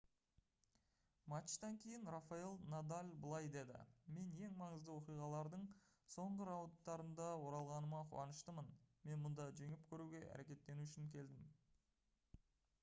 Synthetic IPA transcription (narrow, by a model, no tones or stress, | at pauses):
mat̪ʃt̪ɑŋkʲʰe̞jɪnrafɑelˠnad̪alʲbəlˠɑjd̪e̞d̪ɪ̰me̞ne̞ŋmɑɴəzd̪əwo̞qijʁɑlˠɑɾd̪əɴso̞ɴʁəɾawnt̪ːɑɾənd̪ɑwo̞ɾɑlˠʁɑnəmɑqʰʊ̰ɑnəʃt̪əmənme̞nmʊnd̪ɑʒe̞ŋɪpkʲʰɵɾuɡʲe̞ʔæ̰ɾe̞kʲe̞t̪ːe̞nuʏʃɪŋkʲʰe̞ld̪ɪm